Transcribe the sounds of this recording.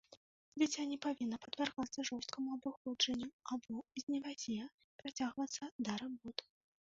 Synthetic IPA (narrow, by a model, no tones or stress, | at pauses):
d͡zʲit͡sʲanʲɛpavʲinːɐpɐd̪vʲarɣat̪sːɐʐɔst̪̚kʰɐmuɐbɨxɔd͡ʐɐnʲːuabɔizʲnʲɛvazʲɛjɛ | pɾat͡sʲaɣvɐt̪sːɐd̪aɾɨbɔt̪